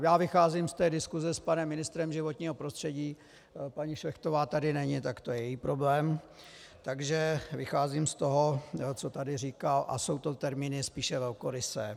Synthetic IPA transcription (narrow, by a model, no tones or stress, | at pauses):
jaːvɪxaːziːmst̪ɛːdɪskuzɛspanɛmːɪnɪst̪ɾɛmʒɪvot̪ɲiːɦopɾost̪r̥ɛɟiː | paɲiʃvɛxt̪ovaːt̪adɪnɛɲɪt̪akt̪ojɛjɛjiːpɾoblɛːm | t̪aɡʒɛvɪxaːziːmst̪oɦo̞t͡so̞t̪adɪriːkalʔa̰so̞wt̪o̞t̪ɛɾmiːnɪspiːʃɛvɛlkoɾɪsɛ̰ː